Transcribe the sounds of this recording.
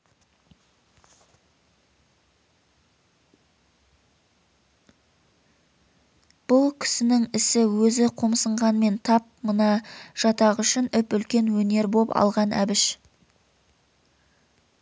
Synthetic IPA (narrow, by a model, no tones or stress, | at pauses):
b̥ʊlˠkʲʰɪ̥sɪnɪŋɪsɪwɵzɪqʰomsəɴʁɑnme̞nt̪ʰɑp̚mənɑʒ̥ɑt̪ɑʁʏʃɪnɪpʏlkʲe̞nwɵne̞ɾbo̞pɑ̰lˠʁɑnʔæ̰bɪʃ